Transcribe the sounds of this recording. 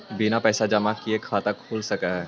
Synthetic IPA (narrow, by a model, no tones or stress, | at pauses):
binapɛːsad͡ʒɐmakiekʰaːt̪akʰoːlsɐkaɦɛː